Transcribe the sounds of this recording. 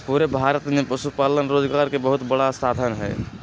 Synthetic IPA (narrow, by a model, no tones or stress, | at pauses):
puːɾebʱaːɾət̪mẽpəʃupaːlənɾoːd͡ʒɡaːɾkebəɦʊt̪bəɽasaːd̪ʱənɦɛ̰ː